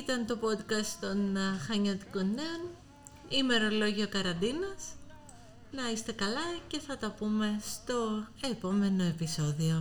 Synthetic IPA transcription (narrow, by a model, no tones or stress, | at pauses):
it̪ɐnt̪o̞po̞d̪kɐst̪o̞nxɐɲɐt̪i̥konːeon | ime̞ɾo̞lo̞ʝio̞kɐɾɐnd̪inɐs | nɐist̪e̞kɐlɐce̞θɐt̪ɐpume̞st̪o̞e̞po̞me̞no̞e̞piso̞ðio̞